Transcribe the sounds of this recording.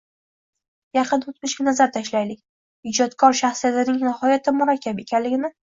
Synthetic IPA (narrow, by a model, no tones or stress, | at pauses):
jɑqʰɨnʊt̪mʊʃʲanazaɾt̪ʰaʃlajlɪkʲ | ɪd͡ʒɒt̪kʰɒɾʃaχsijat̪ɪnɪŋnɪhɒjat̪ʰɪmʊɾakʲːape̞kʲʰanlɪɡʲɪnɪ